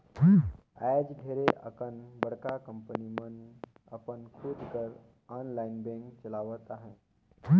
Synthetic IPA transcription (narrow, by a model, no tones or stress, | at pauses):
a̰d͡ʑɡʱeɾeʔə̰kənbəɽ̤kakəmpənimənə̰pənkʰuːd̪kəɾ | anlainbẽŋkt͡ɕəlaʋət̪aɦẽ